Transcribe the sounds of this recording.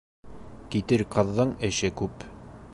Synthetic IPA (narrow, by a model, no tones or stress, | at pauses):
kit̪ɘɾqɤ̆ðːɤɴɘ̆ʃɘkʉp